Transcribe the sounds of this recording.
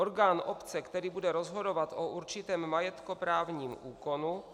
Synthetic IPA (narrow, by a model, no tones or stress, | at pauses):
oɾɡaːnʔopt͡sɛkt̪ɛɾiːbudɛɾozɦodo̞vat̪ʔoʔuɾt͡ʃɪt̪ɛːmːajɛt̪kopɾaːvɲiːmʔuːko̞nu